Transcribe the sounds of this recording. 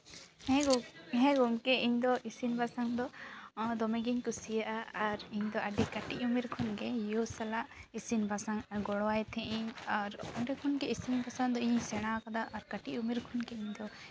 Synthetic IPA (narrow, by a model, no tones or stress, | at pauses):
ɦɛ̃ɡumkɛʔiɲd̪ɔʔisinbʱasaŋd̪ɔd̪ɔmɛɡiɲkusijaʔaaɾiɲd̪ɔʔəɖikaʈiʔumiɾkʰɔnɡɛjosalaʔisinbʱasaŋɡɔɽwajt̪ʰɛ̃ʔɛɲaɾɔɳɖɛkʰɔnkɛisinbʱasaŋd̪ɔiɲsɛɽ̃akad̪aʔaɾkaʈiʔumiɾkʰɔnɡɛiɲd̪ɔ